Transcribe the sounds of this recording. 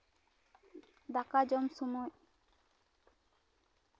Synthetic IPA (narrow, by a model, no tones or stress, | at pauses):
d̪akad͡ʒɔmsɔmɔj